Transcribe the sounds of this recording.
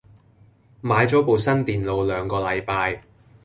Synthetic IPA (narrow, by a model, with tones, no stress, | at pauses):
maː˨˧jt͡sɔː˨˥po˨wsɐ˥nt̪iː˨nlo˨˧wlœː˨˧ŋkɔː˧lɐ˨˧jpaː˧j